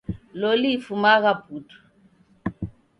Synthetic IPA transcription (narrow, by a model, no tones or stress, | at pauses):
lɔlifumaɣaputu̥